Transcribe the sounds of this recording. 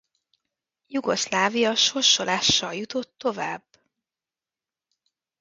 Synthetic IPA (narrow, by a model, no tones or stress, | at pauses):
juɡo̞slaːvijɒʃorʃolʔaːʃːɒjut̪o̞t̪ːo̞vaːb